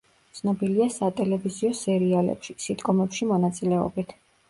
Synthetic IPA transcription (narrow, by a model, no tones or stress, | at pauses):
t̪sʰnɔbiliasat̪ʼɛlɛviziɔsɛɾialɛ̰pʃisid̪ɡɔmɛpʃimɔnat̪sʼilɛɔ̰bit̪ʰ